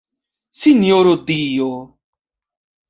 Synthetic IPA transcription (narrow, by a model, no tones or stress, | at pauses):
sinjoɾod̪io